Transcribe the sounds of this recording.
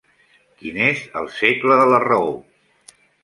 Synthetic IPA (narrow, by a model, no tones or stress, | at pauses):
kinezə̰lˠsekləðələrəo